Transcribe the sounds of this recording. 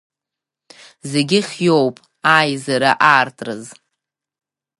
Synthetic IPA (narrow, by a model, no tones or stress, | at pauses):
zeɡʲɪχʲjo̞wpʼ | ajzaɾaʔaːrtʼrɨz